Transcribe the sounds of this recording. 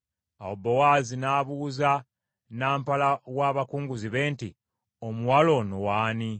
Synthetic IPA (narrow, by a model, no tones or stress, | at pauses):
awobːowaːzinaːβuːza | naːmpalawaβakuːŋɡuziβe̞ːnti | omuwalo̞nowaːni